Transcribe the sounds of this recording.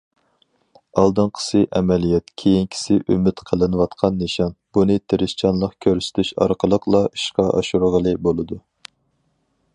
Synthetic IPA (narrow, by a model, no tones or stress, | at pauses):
ɑlˠd̪ɨnqʰə̥sɨʔɛmɛlijɛt̪kʲʰejinkʲʰi̥sɪʔymɪt̪qʰəlˠɨnɨwɑt̪qʰɑnːeʃɑnb̥unɨt̪ʰeɾɪst͡ʃʰɑnlˠəqkʲʰøɾsɪ̥t̪ʰyʃɑ̰ɾqʰəlˠəqlˠɑi̥ʃqɑʔɑ̰ʃuɾʁəlˠɨbolˠɨd̪u